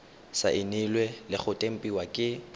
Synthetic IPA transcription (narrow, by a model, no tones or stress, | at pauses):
sa̰ʔɪnɪlwɛlɪχʊtʼem̩pʼiwakʼɪ